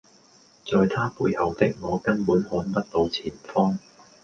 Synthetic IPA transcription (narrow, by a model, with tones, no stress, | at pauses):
t͡sɔː˨˧jt̪ʰaː˥puː˧jhɐ˨wt̪ɪ˥k̚ŋɔː˨˧kɐ˥npuː˨˥nhɔː˨˥npɐ˥t̚lo˧wt͡sʰiː˨˩nfɔː˥ŋ